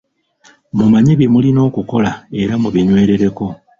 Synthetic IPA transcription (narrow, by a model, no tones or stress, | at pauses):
mumaɲeβimulino̞ːkuko̞lae̞ɾamuβiɲwe̞ːɾe̞ɾe̞ko̞